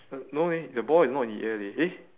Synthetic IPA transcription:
nonedəbɔɪnɔtĩndḭʔɛlie

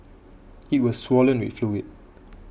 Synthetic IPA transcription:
it̚wɔsswɔlə̃nwḭtfiwit̚

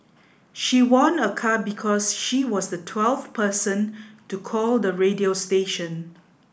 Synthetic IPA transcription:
ʃiwɔ̃nəkʰabikʰɔsʃiwɔsdətʰwɛlfpəsə̃ntukʰɔldəɹediosteʃə̃n

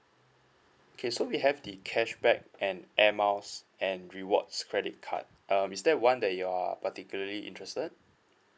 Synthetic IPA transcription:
okʰesowiɦɛvdikʰɛʃbɛk̚ʔɛ̃nʔɛmaʊs | ɛ̃nɹiwɔ̰tskʰɹɛdḭt̚kʰa̰t̚ʔʌ̃misdɛt̚wãndɛt̚jua̰patikjuləliʔḭ̃ntɹɛstəd̚

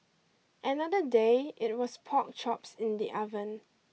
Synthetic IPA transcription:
ʔənadədeɪt̚wɔspʰɔk̚t͡ʃɔpsɪ̃ndiʔavə̃n

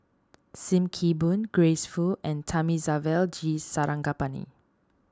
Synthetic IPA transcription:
sĩmkʰibũnɡɹesfulɛ̃ntʰamizavɛld͡ʒisaɹʔãŋɡapanḭ

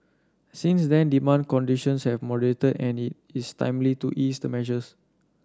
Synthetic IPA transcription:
sĩnsdɛ̃ndimãn̚kɔ̃ndiʃə̃nshɛvmɔdəletədɛ̃nit̚ | istã̰j̃mlituʔisdəmɛʒəs

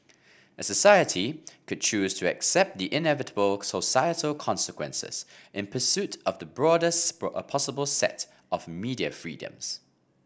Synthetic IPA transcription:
əsəsaɪətʰikʰʊd̚t͡ʃʰʉːz̥tʰəɛ̰ksɛp̚t̚ðiʔɪ̃nɛvɪtʰəbəlˠsosaɪətʰəlˠkʰɒ̃nsəkʰwɛ̰̃nsɪ̰z̥ʔɪ̃npʰəsʉtəvðəbɹɔːdəsəpʰɑsəbəlˠsɛ̰t | ʔəvmiːdiə̰fɹḭːdə̰̃mz̥

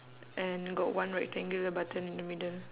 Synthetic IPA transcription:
ʔɛ̃nɡɔtwãnɹɛk̚tɛ̃ŋɡələbatʰə̃nĩndəmidəl

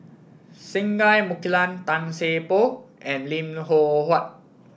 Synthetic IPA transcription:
sĩŋɡajmukilãnt̪ãnsepoʔɛ̃nlĩmɦohat̚

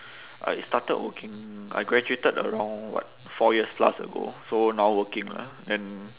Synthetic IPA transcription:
ʔa̰itstatəd̚wəkɪ̃ŋa̰jɡɹɛd͡ʒuetədə̰ɹãʊ̃ŋwɔ̰t̚ | fɔjiəspla̰sə̰ɡo̰sonawwəkɪ̃ŋla̰dɛ̃n

